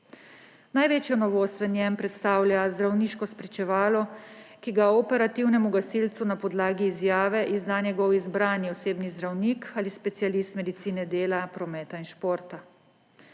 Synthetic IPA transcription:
najʋeːt͡ʃjɔnɔʋoːst̪ʋɛnjɛmpɾɛt̪st̪aːwljazd̪ɾawniːʃkɔspɾit͡ʃɛʋaːlɔ | kiɡaɔpɛɾat̪iwnɛmuɡasilt̪sunapɔd̪laːɡiːzjaːʋɛʔizd̪anjɛɡɔwizbɾaːnjiɔseːbnizd̪ɾawnikʰalispɛt̪sijalist̪mɛd̪it̪siːnɛd̪eːlapɾɔmɛːt̪ainʃpoːɾt̪a

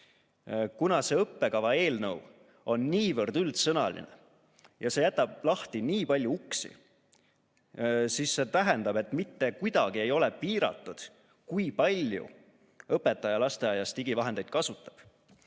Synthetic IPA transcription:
kunɑse̞ɤpːe̞kɑvɑe̞ːlnɤw | o̞nːiːvɤrd̪ylt̪sɤnɑ̰lḭnḛ | jɑse̞jæt̪ːˑɑb̥̚lɑht̪iniːpɑlʲjuuksḭ | sisːe̞t̪æɦend̪̥ɑb̥e̞t̪ːˑmit̪ːe̞kujd̪̥ɑɡ̥ie̞jo̞lɛpiːɾɑ̰t̪ːˑud̪̥ | kujpɑlʲjṵ | ɤpːe̞t̪ːˑɑjɑlɑst̪ejɑjɑst̪iɡivɑɦe̞nd̪e̞jd̪̥̚kɑsut̪ːˑɑ̥b̥

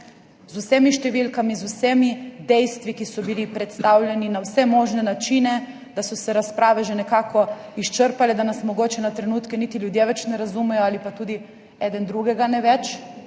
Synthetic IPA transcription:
zusemiʃt̪ɛʋilkamizusemid̪ɛjst̪ʋikisɔbilipɾɛt̪st̪awlʲjɛninawsɛmɔːʒnɛnat͡ʃiːnɛ | d̪asɔsɛɾaspɾaːʋɛʒɛnɛkaːkɔ | iʃt͡ʃəɾpalɛd̪anasmɔɡoːt͡ʃɛnat̪ɾɛnuːt̪kɛnit̪iljud̪jeʋɛt͡ʃnɛɾazumɛjɔalipat̪uːd̪i | ɛd̪ɛnd̪ɾuɡɛɡanɛʋɛt͡ʃ

